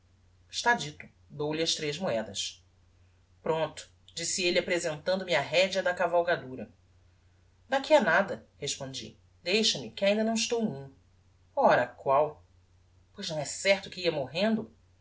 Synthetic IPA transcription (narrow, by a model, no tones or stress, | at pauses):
ɪʃt̪ad͡ʒit̪ʊ | d̪owlɪɐʃt̪ɾeʒmuɛd̪ɐs | pɾõnt̪ʊ̥ | d͡ʒisɪelɪapɾezẽnt̪ɐ̃nd̪ʊmɪaɦɛd͡ʒɐd̪ɐkavawɡad̪uɾɐ | d̪akianad̪ɐheʃpõd͡ʒḭ | d̪ejʃɐmɪkɪaĩnd̪ɐnɐ̃w̃ɪʃt̪ownũ | ɔɾɐkwaw | pojznɐ̃w̃ɛsɛχt̪ʊkɪiɐmoɦẽnd̪ʊ